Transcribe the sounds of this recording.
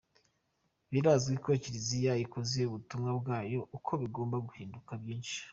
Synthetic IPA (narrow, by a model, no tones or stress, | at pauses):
βiɾaːzɡikociɾizijajikozieuβutumŋabɡaːjo̞ʔukʰo̞βiɡo̞ːmbaɡuhiːndukabjiːnʃi̥